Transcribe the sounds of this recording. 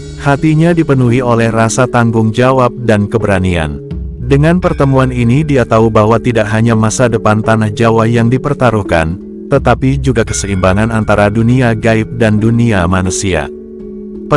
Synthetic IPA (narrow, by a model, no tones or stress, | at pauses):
hat̪iɲadipənuɦiolɛhrasat̪aŋɡʊŋd͡ʒawap̚dankəbəɾania̰ndəŋanpərt̪əmuaninidiat̪aubaɦwat̪idaʔɦaɲamasadəpant̪anahd͡ʒawajaŋdipərt̪aɾuhka̰n | t̪ət̪apid͡ʒuɡakə̥səimbaŋanant̪aɾaduniaɡaip̚danduniamanusia̰ | pə